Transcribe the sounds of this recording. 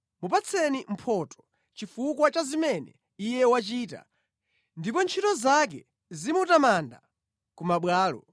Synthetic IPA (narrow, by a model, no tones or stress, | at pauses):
mupat͡sʰɛnim̩pʰɔtɔ̥ | t͡ʃifukwat͡ʃazimɛnɛ | ijɛwat͡ʃiːta̰ | ndipɔnt͡ʃʰitɔzak̬ɛ | zimutamanda̰ | kumaɓwaːlɔ